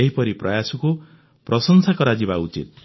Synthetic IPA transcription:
eɦipɔɾipɾɔjasɔku | pɾɔsɔŋsakɔɾad͡ʒibaut͡ʃḭt̪̚

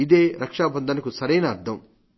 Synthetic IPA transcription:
id̪eːɾɐkʂaːbɐnd̪ʱɐnɐkusɐɾɐjnɐːɾt̪ʰɐm

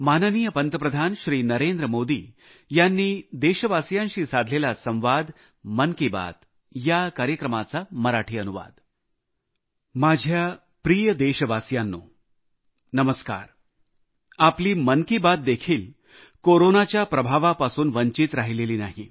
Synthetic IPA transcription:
manəniːjəpənt̪əpɾəd̪ʱanɕɾiːnəɾend̪ɾəmod̪iː | janːiːd̪eɕəʋasjãnɕiːsad̪ʱlelasə̃w̃ʋad̪ | mənkiba̰t̪̚ | jakaɾjəkɾəmat͡saməɾaʈʰiːənuʋa̰d̪ | mad͡ʑʱja | pɾijəd̪eɕəʋasjanːuː | nəməska̰ɾ | apliːmənkibat̪̚d̪ekʰiːl | koɾonat͡ɕjapɾəbʱaʋapasuːnʋəɲt͡ɕit̪ɾaɦileliːnaɦi

